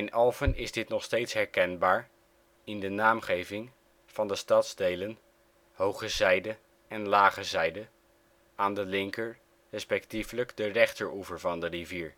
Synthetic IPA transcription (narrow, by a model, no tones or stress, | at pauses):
ɪnɛlˠvənɪzdɪtnɔχstejtsɦɛɹkɛnbaːɹ | ɪndənaːmχejvɪŋ | v̥ɑndəstɑtzdejlən | howχəzɛjdə | ɛnlaːχəzɛjdə | aːndəlɪŋkəɹ | rɛspɛktifləkdərɛχtəɹuvəɹvɑndəriviːɹ